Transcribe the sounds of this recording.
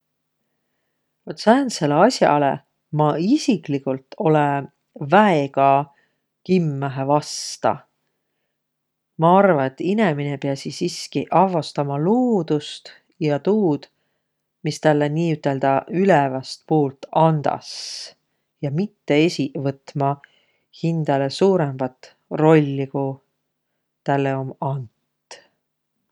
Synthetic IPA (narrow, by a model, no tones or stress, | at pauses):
vot̪sæːnse̞leɑsjɑ̰lḛ | mɑisiklikult̪ːˑo̞le | væeɡ̥ɑ | kimːæɦevɑst̪ɑ̰ | mɑɑrvɑe̞t̪ːineminepeɑsisiskiʔɑvɑst̪ɑmɑloːd̪̥ust̪ | jɑt̪uːd̪̥ | mist̪ælːeniːyt̪ːˑe̞ld̪̥ɑylɛvɑst̪̚puːlt̪ɑnd̪ɑ̰s | jɑmit̪ːe̞esʲivɤt̪ːmɑ | hind̪̥ɑle̞suːɾemb̥ɑt̪ | ro̞lʲːiku | t̪ælːe̞o̞mɑnt̪ˑ